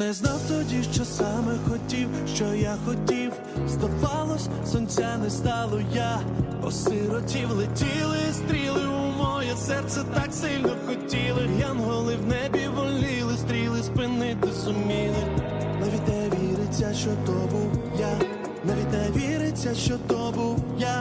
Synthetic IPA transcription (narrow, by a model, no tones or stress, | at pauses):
nɛznawt̪ɔdʲiʃt͡ʃɔsamɛxɔtʲiwʃt͡ʃɔjaxɔtʲiw | st̪ɐpɑlˠɔsʲ | sɔnʲt͡sʲanɛst̪ɑlˠɔja | ɔ̰sɪɾɔtʲiwlˠetʲilˠɪst̪ɾʲilˠɪumɔjɔsɛrt̪sɛt̪aksɪlʲnɔwxɔtʲilˠɪjamɦɔlˠɪwnɛbʲiʋɔlʲɪlˠɪst̪ɾʲilˠɪspɪnɪt̪ɪzʊmʲilˠɪ | nɐʋʲid̪ʲnɛʋʲiiɾɪt͡sʲːɐʃt͡ʃɔt̪ɔbuwja | nɐʋʲid̪nɛʋʲiɾɪt͡sʲːɐʃt͡ʃɔt̪ɔbuwja